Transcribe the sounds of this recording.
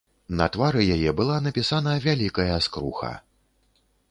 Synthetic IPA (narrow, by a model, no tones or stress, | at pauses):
nɐt̪vaɾɨjajɛbɨlˠanɐpʲisanɐvʲalʲikɐjɐskɾuxɐ̰